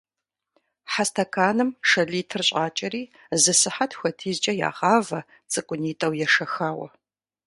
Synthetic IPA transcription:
ħastʰɐkʰaːnɨmʂɐɮiːtʰɨrɕʼaːt͡ʃʼɐɾiː | zɨsɨħatʰxʷɐtʰiːzt͡ʃʼɐja̰ːʁɑːvɐ | t͡sʼɨkʷʼʊniːtʼɐwjɛʂɐxaːwɐ̰

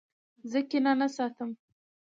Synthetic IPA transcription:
zəkenɑnasɑt̪əm

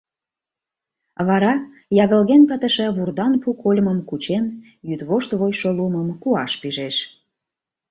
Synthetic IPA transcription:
βɑɾɑ | jɑɣəlɣenpət̪əʃə̆βurd̪ɑnpukolʲməmkut͡ɕen | jyt̪βoʃt̪βojʃoluməmkuɑʃpiʒeʃ

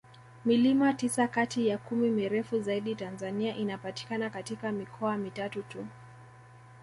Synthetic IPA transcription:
milimatisakatijakumimiɾɛfuzaiɗitanzaniaʔinapati̥kanakatikamikʰɔamitatutu

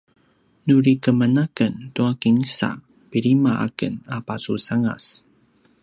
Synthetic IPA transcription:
nuɾikəmənakənt̪uakiŋsa̰ | piɾimaʔa̰kənapasusaŋa̰s

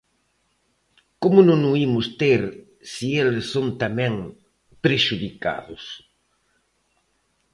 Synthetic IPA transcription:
komʊnonoimʊst̪eɾ | sielesːont̪amɛ̃ŋ | pɾeʃuðika̰ðʊs

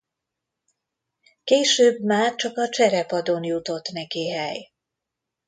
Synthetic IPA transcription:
keːʃøːbmaːrt͡ʃɒkɒt͡ʃɛɾɛpɒd̪onjut̪o̞t̪ːnɛkiːɦɛj

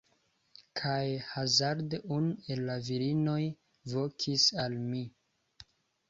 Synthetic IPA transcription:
kʰajhazaɾdunue̞lːaviɾino̞j | vo̞kʰisalmi

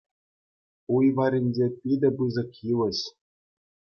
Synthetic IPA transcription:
ujʋɑɾʲinʲd͡ʑʲepʲid̪ʲɘ̆bɯzɤ̆kjilʲɘ̆ɕ

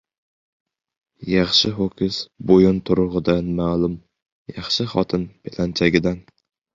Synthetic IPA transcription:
jɑχʃɪɦokʲʰɪsbojʊnt̪ʰʊɾʊʁɨd̪anmaːlˠʊm | jɑχʃɪχɒt̪ʰɪnpʰelant͡ʃʰaɡʲɪd̪an

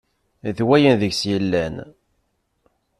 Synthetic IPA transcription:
θwæjənðəʝsjəlːæn

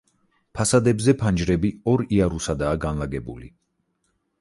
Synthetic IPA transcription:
pʰasad̪ɛbzɛpʰand͡ʒɾɛbiɔɾiaɾusad̪aːɡanlˠaɡɛbṵlḭ

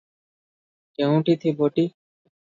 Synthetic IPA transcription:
kɛw̃ʈit̪ʰiboʈi

